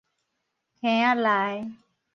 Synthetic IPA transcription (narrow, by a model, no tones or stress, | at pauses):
kʰẽːjãːlaːe